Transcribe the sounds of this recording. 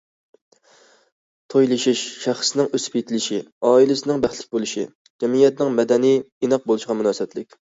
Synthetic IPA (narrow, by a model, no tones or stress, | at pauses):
t̪ʰojlˠɨʃiʃʃæχsnɪŋøspet̪ʰɪlɪʃiɑːilɪsɪnɪŋbæχt̪lɪkʲbolˠɨʃḭ | d͡ʒɛmijɛt̪̚nɪŋmɛd̪ɛnɪ | inɑq̚bolˠuʃʁɑmunɑːsɛt̪lɪk̚ʲ